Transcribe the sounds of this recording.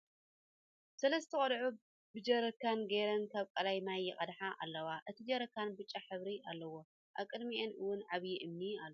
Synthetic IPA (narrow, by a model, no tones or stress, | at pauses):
sɐlɐst̪ʰɨχʼɐd̪ʕu | bɨd͡ʒɐɾɐkʰːanɡeɾɐnkʰaβkʼɐlajmajːɪχʼɐd̪ħaʔa̰lːɐwaʔɨt̪ʰid͡ʒɐɾɐkʰːanbɨt͡ʃʼːaħɨβɾiʔalːɐwo̞ | ʔa̰βkʼɨd̪miʔenʔɨwʊnʕaβjiʔɨmnialː